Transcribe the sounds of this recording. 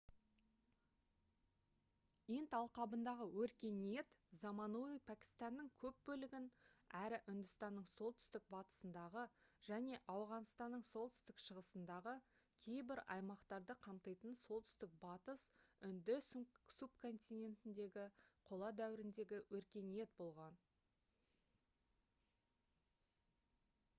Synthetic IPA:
int̪ɑlˠqɑbənd̪ɑʁəwɵɾkʲe̞nijet̪zɑmɑnuijpʰækʲi̥st̪ɑnːəŋkʲʰɵp̚bɵlɪɡʲɪnæɾɪʔʏnd̪ʏst̪ɑnːəɴso̞lˠt̪ʰʏ̥st̪ɪk̚bɑt̪ə̥sənd̪ɑʁəʒ̥æne̞ʔɑwʁɑnst̪ɑnːəɴso̞lˠt̪ʰʏ̥st̪ɪkʃəʁəsənd̪ɑʁə | kʲʰe̞jbɪɾɑ̰jmɑqt̪ɑɾd̪əqʰɑmt̪ɑjt̪ənso̞lˠt̪ʰʏ̥st̪ɪk̚bɑt̪əsʏnd̪ɪssupkʰo̞nt̪ijne̞nt̪ɪnd̪e̞ɡʲɪqʰo̞lˠɑd̪æwɪɾɪnd̪e̞ɡʲɪwɵɾkʲe̞nije̞t̪̚bo̞lˠʁɑn

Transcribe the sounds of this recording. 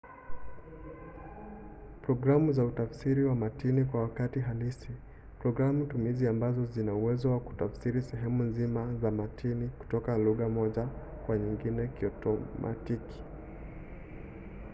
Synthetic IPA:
pɾɔɡɾamuzautafsiɾiwamatinikwawakatiɦalisi | pɾɔɡɾamutumiziambazɔzinauwɛzɔwaku̥tafsiɾisɛɦɛmunzimazamatʰiniku̥tɔkaluɣamɔʄa | kwaɲiŋɡinɛkiɔtɔma̰tiki̥

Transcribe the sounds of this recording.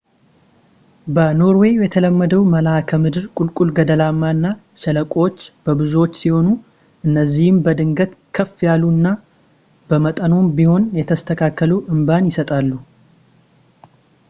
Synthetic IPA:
bəno̞ɾwe̞jɛt̪ʰələmːəd̪əwməlakʰəmɨd̪ɨɾkʼulkʼulɡəd̪əlamːaɨnːa | ʃɛləkʼot͡ʃːb̥əbɨzuwot͡ʃːsiho̞nu | ʔɨnːəzːihɪmbəd̪ɨŋɡət̪kʰəfːjalːunːa | b̥əmət̪ʼənombiho̞njɛt̪ʰəst̪ʰəkʰakːəluwʔɨmbanjɪsət̪ʼalːu

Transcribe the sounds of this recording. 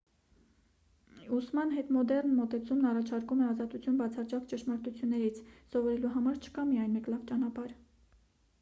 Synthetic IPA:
usmɑnɦɛt̪mɔd̪ɛrnmɔt̪ɛt͡sʰumnɑrɑt͡ʃʰɑɾkumɛɑzɑt̪ut͡sʰjunbɑt͡sʰɑt͡ʃɑkt͡ʃəʃmɑɾt̪ut͡sʰjunːɛɾit͡sʰsɔvɔɾɛluɦɑmɑɾt͡ʃʰə̥kɑmijɑjnmɛklɑvt͡ʃɑnɑpɑɾ

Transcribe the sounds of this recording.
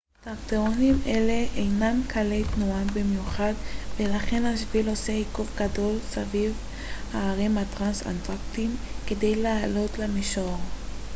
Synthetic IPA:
t̪akteʁonimʔele̞ʔejnamkʰalejt̪nuabimjuχadvelaχe̞naʃvilo̞seikufɡado̞lsaviv | haːʁimhat̪ʁansa̰ntaktimkede̞jleːlo̞tlamiʃoʁ

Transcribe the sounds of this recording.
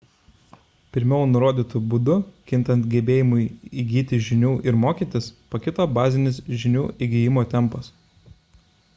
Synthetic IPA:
pʲɪɾʲmʲɛʊnʊɾoːd̪ʲiːt̪ʊbʊd̪ʊkʲɪnt̪ɐnt̪ɡʲɛbʲeːjɪmʊɪiɡʲiːt̪ʲɪʒʲɪnʲuːʔɪɾmoːkʲiːt̪ʲɪspɐkʲɪt̪oːbɑːzʲɪnʲɪsʒʲɪnʲuːʔiɡʲɪjɪmoːt̪ʲɛmˑpɐs

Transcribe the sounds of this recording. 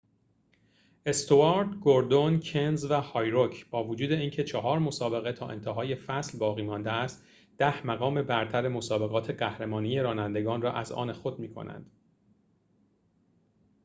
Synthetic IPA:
ʔe̞st̪ʰoɑɾd̪ɡoɾd̪oncʰenzvæhɒːjɾocʰb̥ɒːvod͡ʒuːd̪e̞iːncʰe̞t͡ʃʰɒɦɒːɾmo̞sɒːbe̞ɣet̪ʰɒːʔe̞nt̪ʰeɦɒːje̞fæslbɒːɣiːmɒːnd̪eæst̪ | d̪̥æhmæɣɒːme̞bæɾt̪ʰæɾe̞mo̞sɒːbe̞ɣɒːt̪ʰe̞ɢæhɾemɒːnije̞ɾɒːnænd̪e̞ɡɒːnrɒːʔæzɒ̰ːne̞xod̪̚miːkʰo̰næ̰nd̪̥

